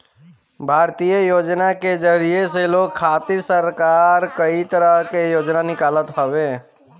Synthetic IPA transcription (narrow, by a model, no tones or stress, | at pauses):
bʱaːɾt̪ijəjoːd͡ʒnaked͡ʒəɾijeseloːɡ̚kʰːaːt̪ɪɾsəɾkaːɾkəit̪əɾəɦkejoːd͡ʒnanɪkaːlət̪ɦowẽː